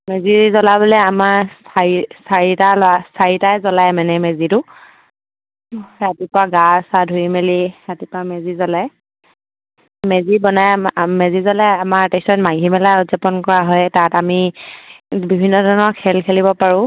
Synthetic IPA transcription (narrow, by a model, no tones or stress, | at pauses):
mezizɔlabɔlɛamaɹsaɹisaɹitalasaɹitajzɔlajmanɛmezitʊ | ɹatipɔaɡasadʱuimeliɹatipamezizɔlaj | mezibɔnajmezizɔlaamaɹtɛsɔnmaɡʱimɛlaɔzapɔnkɔɹaɦɔjtatami | bibʱinːɔdʱɔnɔɹkʰɛlkʰelibɔpaɹʊ̃